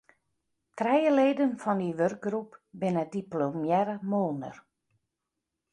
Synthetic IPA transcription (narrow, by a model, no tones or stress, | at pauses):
trɛjəleːdənfɔndiʋørɡ̚ɡrupbɪnədiplomjɛɾəmoːnə̰r